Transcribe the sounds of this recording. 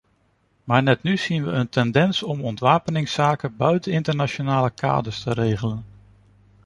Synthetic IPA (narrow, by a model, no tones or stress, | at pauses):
maːɹnɛtnyz̥inʋəəntɛndɛnsɔmɔntʋaːpənɪŋsaːkəbœɥtənɪntəɹnat͡ʃonaːləka̰ːdəɹstəɾejχələn